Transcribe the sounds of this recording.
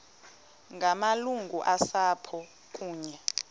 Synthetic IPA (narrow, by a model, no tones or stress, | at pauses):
ŋɡʱamaluŋɡʱuʔasaːpʰɔ | kʼuːɲɛ